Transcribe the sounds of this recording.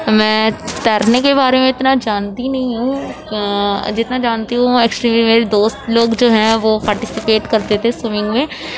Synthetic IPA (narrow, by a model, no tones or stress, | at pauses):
mɛ̃ːt̪ɐɾnekebaːɾemẽɪt̪nad͡ʒaːnt̪inɐɦĩɦũ | d͡ʒɪt̪nad͡ʒaːnt̪iɦũeːksʈɾimɪmeːɾed̪oːst̪loːɡd͡ʒoːɦɛ̃ʋopaːɾʈɪsɪpeːʈkɐɾt̪et̪ʰesʊmɪ̃ŋɡmẽː